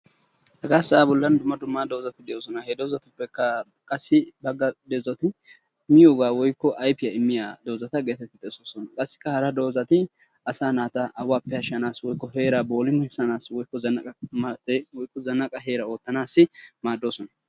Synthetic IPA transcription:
hɐɡaːsɐaːbɔlːɐnd̪ʊmːɐd̪ʊmːad̪o̞ːzɐt̪ɪd̪ɛjo̞ːsɔnɐheːd̪ɛwzɐt̪ʊpːɛkːɐ | kʼɐsːɪbɐɡːɐd̪ɛzɔt̪ɪ | mɪjoːɡaːwɔjkːɔʔɐjfɪjɐɪmːɪjaːd̪o̞ːzɐt̪ɐɡeːt̪ɛt̪ːɪt̪ʼːɛsoːsɔnɐkʼɐsːɪ̥kːɐhɐɾɐd̪o̞ːzɐt̪ɪ | ɐsaːnaːt̪ɐʔɐwaːpːɛhɐʃːɐnaːswɔjkːɔɦe̞ːɾabo̞ːlɪmʊhɛsːɐnaːswɔjkːɔzɐnːɐkʼɐmɐt̪ɛwɔjkːɔzɐnːɐkʼɐɦe̞ːɾɐo̞ːt̪ːɐnaːsːɪmaːd̪ːo̞ːsɔnɐ

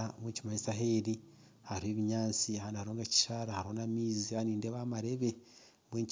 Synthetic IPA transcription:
amwecimaisaɦeɾi | haɾheːβiɲaːt͡siaaːndihaɾoːŋɡeci̥ʃaɾahaɾonamiːzianiːndeβamaɾe̞βe | βweːɲc

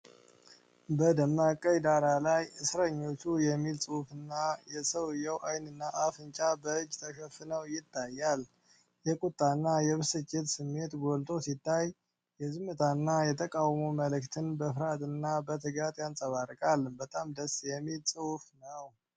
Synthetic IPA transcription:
bəd̪əmːakʼːəjd̪aɾalajɨsɾəɲːo̞t͡ʃːujɛmːilsʼɨwfɨnːajɛsəwɨjəwʔajnɨnːaʔafɨnt͡ʃʼabəɨd͡ʒːt̪ʰəʃəfɨnəwjɪt̪ʰːajːal | jɛkʼut̪ʼːanːajɛβɨsɨt͡ʃʼet̪sɨmːe̞t̪ɡolt̪ʼo̞sit̪ʰːaj | jɛzɨmːɨt̪ʰanːajɛt̪ʰəkʼawmoməlɨkt̪ʰɨnbəfɨɾat̪ʼɨnːabət̪ʰɨɡat̪jansʼəβaɾkʼalbət̪ʼamd̪əsjɛmːilsʼɨwfnəw

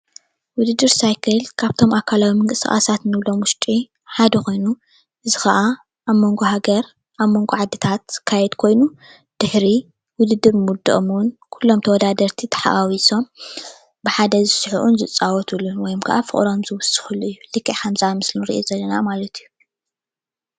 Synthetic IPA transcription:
wʊd̪ɨd̪ːɨɾsajkʰɐlkʰaβt̪ʰo̞makʰalawimɐŋkʼɨsɨxʼa̰sat̪nɨβlo̞mwʊʃt̪ʼi | ħad̪ɐkʰo̞jnu | ʔɨzixɐʔa | ʔaβmo̞ŋɡoɦaɡɐɾ | ʔaβmo̞ŋɡoʕad̪ːɨt̪ʰat̪kʰajɛd̪kʰo̞jnu | d̪̥ɨħɾi | wʊd̪ɨd̪ːɨɾmud̪ɨʔmnkʰulːo̞mt̪ʰɐwɔd̪ad̪ɐɾt̪ʰit̪ʰɐ̥ħa̰ʔawiso̞m | bɨħad̪ɐzɨsɨħuʔunzɨt͡sʼːawɔt̪ʰɨlunwɔjɔmkʰɐ̰ʔafɨ̰χʼɾo̞mzɨwʊsːɨ̥xɨlːuɨjːulɨkʰʼːiʕkɐmzamɨslunɾḭʔjzɐlːɐnamalɐt̪ʰɨjːu

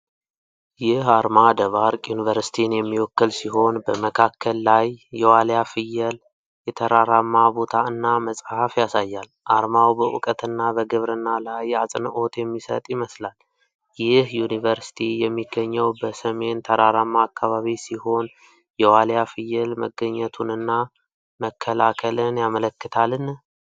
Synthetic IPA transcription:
jɪhaɾmad̪əβaɾkʼjunivəɾsi̥t̪ʰinjɛmːiwɔkːəlsiɦo̞nbəməkʰakːəlːajːɛwaljafɨjːəl | jɛt̪ʰəɾaɾamːabo̞t̪ʰaɨnːaməsʼhafjasajːal | ʔaɾmawbəʔʊ̰kʼət̪ʰɨnːabəɡɨβɾɨnːalajasʼnʔo̞t̪jɛmːisə̰t̪ʼjiməslal | jɪhjunivəɾsi̥t̪ʰijɛmːiɡːəɲːəwbəsəme̞nt̪ʰəɾaɾamːaːkːaβaβisiho̞n | jɛwaljafɨjːəlməɡːəɲːət̪ʰunɨnːa | məkʰːəlakʰəlɨnjamələkːɨt̪ʰalɨn

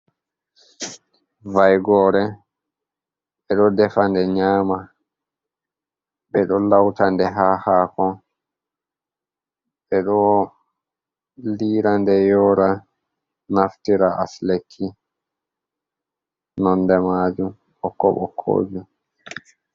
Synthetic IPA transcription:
vajɡɔːɾɛ | ɓɛɗɔdɛfandɛɲaːma | ɓɛɗɔlawtandɛɦahaːkɔ | ɓɛɗɔ | liːɾandɛjɔːɾa | naftiɾaʔa̰slekʰːi | nɔndɛmad͡ʒum | ɔkːɔɓɔ̰kʰːo̰ːd͡ʒu

